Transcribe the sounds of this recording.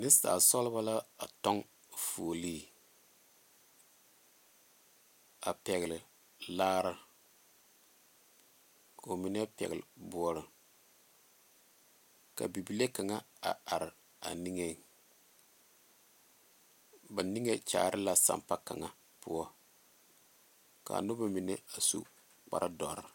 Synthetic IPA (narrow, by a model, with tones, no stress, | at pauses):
nɪ˦ssa̰ː˨sɔ˦lba˦la˦a̰˨tɔ˦ŋ | fuː˨li˦˨ | a̰˨pɛ˨ɣɪ˨lɪ˨ | laː˦ɾa˦ | kʰo˨mi˦nɛ˦pɛ̰˨ɣɪ˨lbʊ˦˨ɔ˨ɾɪ˨ | ka̰˨bi˨bi˨le˦ka˨ŋa˦ | a̰˨a˨ɾɪ˨ | a̰˨ni˦ŋe˦ | ba˨ni˦ŋe˦t͡ʃa̰ː˨ɾʔɪ˦la˨sa̰˨mpa˦ka˨ŋa˨ | pʊ˦ɔ˦ | ka̰˨nʊ˦ba˦mi˨nɛ˦a˨sṵ˦ | k͡pa̰˨ɾʔa˦dɔ˨ɾɪ˦